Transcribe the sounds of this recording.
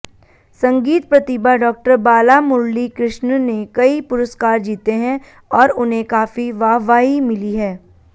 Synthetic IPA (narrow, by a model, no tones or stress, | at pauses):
sɐ̃ŋɡiːt̪pɾɐt̪ɪbaɖɔːk̚ʈəɾbaːlamʊɾlikɾɪʃnnekɐipʊɾəskaːɾd͡ʒiːt̪eɦɛ̃ | ɔːɾʊnɦẽkaːfiʋaːʋaːɦimɪliɦɛː